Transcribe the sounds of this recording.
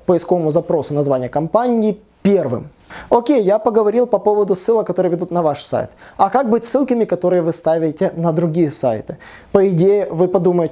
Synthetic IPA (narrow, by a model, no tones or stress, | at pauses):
pəɪskovəmʊzɐpɾo̞sʊnɐzvanʲɪjəkɐmpanʲɪː | pʲervɨ̰m | okʲejːapəɡəvɐɾʲilˠpɐpo̞vəd̪ʊsɨlˠəkɐt̪oɾɨjəvʲɪd̪ut̪nɐvaʂsa̰jt̪ɐkak̚bɨtʲsːɨlˠkəmʲɪkɐt̪o̞ɾɨjəvɨst̪avʲɪtʲɪnəd̪ɾʊɡʲijəsa̰jt̪ɨpəɪdʲejɪvɨpɐd̪uməjɪtʲ